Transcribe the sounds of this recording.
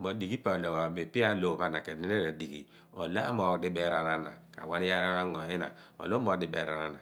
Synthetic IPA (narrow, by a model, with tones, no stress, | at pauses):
mo˨di˨ki˦pa˨lo˨a˨me˨pi˦a˦lo˦˨βa˦na˨ke˨ne˦e˦ɾe˨di˨kḭ˨ | o̰˨la˦mo˨˦di˦be˦ɾa˨na˦na̰˨ka̰˨wa˦ni˦ja˦ɾa˦ɾa˦ŋo˨i˦na̰˨ | o̰˨lo˦mo˨˦di˦bḛ˨˦ɾa˨ɾa˦na˨